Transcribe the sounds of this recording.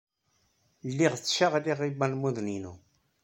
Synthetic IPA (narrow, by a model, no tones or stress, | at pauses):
lːiʁt͡sːʃaʁliʁibælmuðninṵ